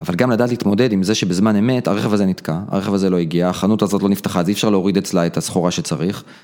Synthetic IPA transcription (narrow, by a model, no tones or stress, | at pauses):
avalɡamladaːtlit̪mo̞de̞dimzeʃe̞bezmane̞me̞taʁeχevazenitkaa̰ʁeχevazelo̞iɡiaːχanutazo̞tlo̞niftaχazeifʃaʁleo̞ʁid̪et͡slaetasχoʁaʃe̞t͡saʁiχ